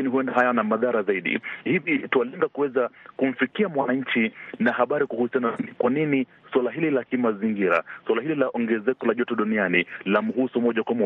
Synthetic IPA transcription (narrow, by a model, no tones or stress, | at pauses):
akiniɦuɛndaɦajanamaðaɾazaiɗḭhivitualɛŋɡakuwɛzakum̩fikiamwanaɲ̩t͡ʃinahaɓaɾikuhusijananikwanini | swalaɦililakimaziŋɡiɾa̰swalahililaʔɔŋɡɛzɛkɔlaʄɔtɛɗunianilam̩ɦusumɔʄakwamɔ